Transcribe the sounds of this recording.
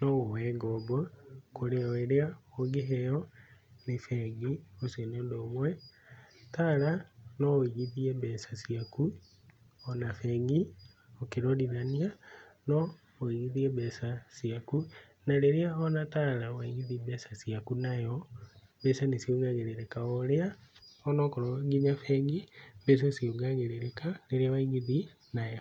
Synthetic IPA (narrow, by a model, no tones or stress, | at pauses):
nɔwowɛːŋɡɔbokoɾeɔeɾeaoɡeɦejɔnefɛŋɡiosienondoːmwɛ | taɾanɔoiɣiðiebɛsasiaku | ɔnafeŋɡi | okeɾoɾiɾania | nɔ | oiɣiðieβɛsasiaku | naɾeɾeaɔnataɾawaiɣiðibɛsasiakunajɔ | bɛsanesjoŋɡaɣeɾeɾekaoɾeaɔnɔkɔɾɔɡiɲafɛːŋɡibɛs̬asioŋɡaːɣeɾeɾekaleɾeawaiɣiði | najɔ